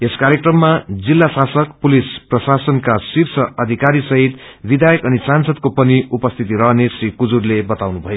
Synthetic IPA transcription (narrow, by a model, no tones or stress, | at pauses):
eskaɾjekrʌmːad͡zilːasasʌkpulisprʌsasʌnkasirsʰʌʌd̪ʱikaɾisʌɦit̪bid̪ʱajʌkʌnisansʌd̪̚kopʌniupʌst̪ʰit̪iɾʌɦnesrikud͡zurlebʌt̪awnubʱʌjo